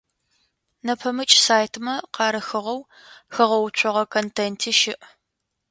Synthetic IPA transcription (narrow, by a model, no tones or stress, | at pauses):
nɐpʰɐmɨt͡ʃʼsaːjtʰmɐqɑːɾɐxɨʁɐw | xɐʁɐwt͡ʃʷʰɔʁɐkʰontʰeːntʰiːʃɪʔ